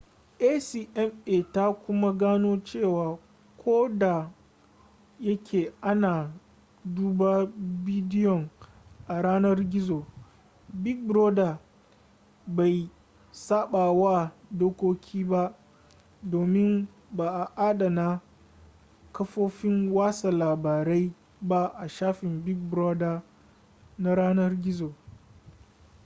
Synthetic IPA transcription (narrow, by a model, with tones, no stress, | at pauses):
ʔe˦siː˨ʔɛ˦meː˨ta˦kʷʊ˦ma˦ɡaː˦noː˦t͡ʃeː˦˨waː˨ | kʷʰoː˦da˨ | jɐ˦kʲʰeː˨ʔa˦naː˨ | duː˦baː˦bi˦dɪ˦jɔ˨ŋ | ʔa˨ɽaː˦nɐ˦rɡʲɪ˦zoː˨ | bɪ˦k̚bɾoː˦da˨ | ba˨j | saː˦ɓaː˨wa˦˨doː˦kʷoː˦kʲʰiː˦ba˦ʔ | doː˨mɪ˦n | baː˨ʔa˨ʔa˦da˨na˦ | kɐ˦ɸoː˦ɸɪ˦ŋwaː˦sa˨laː˨baː˨ɾe˦j | ba˦ʔa˨ʃaː˦ɸɪ˨mbɪ˦k̚bɾoː˦da˨ | na˦ɽaː˦nɐ˦rɡʲɪ˦zoː˨